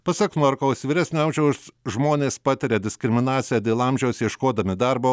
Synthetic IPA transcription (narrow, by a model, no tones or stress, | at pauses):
pɐsɐkmɐɾkɐʊsʋʲiːɾʲæsʲnʲɪʊɐmʲʒʲɛʊsʒmoːnʲeːspɑːt̪ʲɪɾʲed̪ʲɪsʲkɾʲɪmʲɪnɑːt̪sʲɪjæːd̪ʲeːlˠɐmʲʒʲɛʊsjɛʃkoːd̪ɐmʲɪd̪ɑɾboː